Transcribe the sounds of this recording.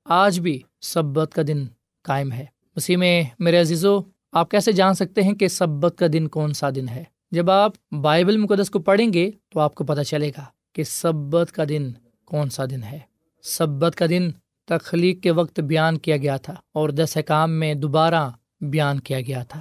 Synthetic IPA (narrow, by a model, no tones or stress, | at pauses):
aːd͡ʒbʱi | sɐbːət̪kad̪ɪn | kaːɪmɦɛː | mɐsiːmẽmeːɾeɐziːzo | aːp̚kɛːsed͡ʒaːnsɐk̚t̪eɦɛ̃kesɐbːət̪̚kad̪ɪnkɔːnsad̪ɪnɦɛː | d͡ʒɐbaːp | baːɪbəlmʊkəd̪ːəskopɐɽ̤ẽːŋɡet̪oaːp̚kopɐt̪at͡ʃɐleːɡaː | kesɐbːət̪kad̪ɪn | kɔːnsad̪ɪnɦɛː | sɐbːət̪kad̪ɪn | t̪ɐxliːkːeʋɐkt̪bijaːnkijaɡɐjat̪ʰaːɔːɾd̪ɛsɛkaːmːẽd̪ʊbaːɾa | bjaːnkijaɡɐjat̪ʰaː